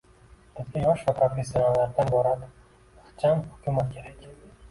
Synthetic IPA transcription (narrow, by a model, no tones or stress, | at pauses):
t̪ʰɪzkʲajɒʃvapʰɾofʲes̬ʲːjonalːaɾd̪anbɒɾad̪ | χt͡ʃʰamhʊkʲʰumat̪̚kʲʰe̞ɾakʲ